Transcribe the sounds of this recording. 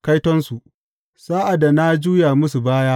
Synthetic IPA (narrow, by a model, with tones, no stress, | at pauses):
ka˦jtɔ˦nsu˨ʔ | saː˦ʔa˨da˨na˦d͡ʒuː˦ja˨mʊ˦su˨baː˦jaː˦